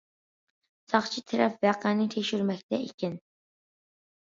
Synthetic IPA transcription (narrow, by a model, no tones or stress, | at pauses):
sʰɑχt͡ʃʰit̪ʰɪɾɛpvæqʰænɪt̪ʰekʃyɾmɛk̚ʲt̪ɛʔikʲɪn